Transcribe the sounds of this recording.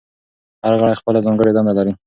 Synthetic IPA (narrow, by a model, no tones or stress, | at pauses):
haɾɣaɽajxpəlazɑŋɡəɽed̪ɑnd̪alaɾi